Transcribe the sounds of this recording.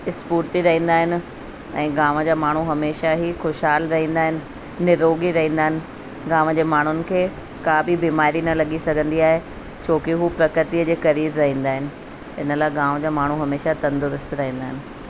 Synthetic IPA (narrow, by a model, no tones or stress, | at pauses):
ɪspuːɾt̪iɾɐɦĩːn̆d̪aːɦɪnɪ̆ | ɛ̃ːɡaːʋəd͡ʑaːmaːɳ̤uɦɐmeːʃaɦixʊʃɦaːlɾɐɦĩːnd̪aːɦɪnɪ̆ | nɪɾoːɡiɾɐɦĩnd̪aːɦɪ̃nɪ̆ | ɡaːʋd͡ʑeːmaːɳ̤ʊnɪ̆kʰeː | kaːbibiːmaːɾinɐlɐɠisɐɡʱə̃nd̪iaːɦe | t͡ɕʰoːkɪɦupɾɐkɾɪt̪iəd͡ʑeːxɐɾiːɾɾɐɦĩːn̆d̪aːɦɪnɪ̆ | ɪ̰nəlaːeɡãːʋd͡ʑaːmaːɳ̤uɦɐmeːʃat̪ɐ̃nd̪ʊɾʊst̪ɾɐɦĩːnd̪aːɦɪnɪ̆